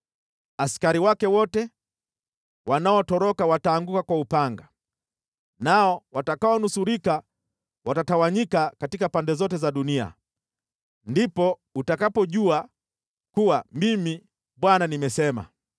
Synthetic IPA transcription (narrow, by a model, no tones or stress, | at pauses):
askaɾiwakɛwɔtɛ | wanaɔtɔɾɔkawataːŋɡukakwaupaŋɡa | naɔwatakaɔnusuɾika | watatawaɲikakatikapandɛzɔtɛzaɗunia̰ | ndipɔ | utakapɔʄua | kuwamimi | ɓwananimɛsɛma̰